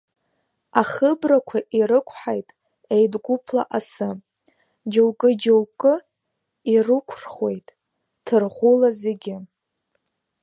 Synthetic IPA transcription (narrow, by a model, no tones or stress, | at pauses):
aχəbrakʷʰaʔiɾɨkʷʰħajtʼ | ejdɡʷupʰla̰ʔasɨ | d͡ʒowkʼɨd͡ʒowkʼɨ | irɨkʷʰrχwe̞jtʼ | tʰɨrʁʷʊlazeɡʲɪ